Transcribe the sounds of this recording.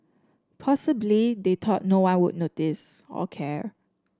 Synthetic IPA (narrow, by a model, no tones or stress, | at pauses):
pʰɔsəblidetʰɔt̚nowãnwʊd̚ⁿnotisɔ̰kʰɛɹ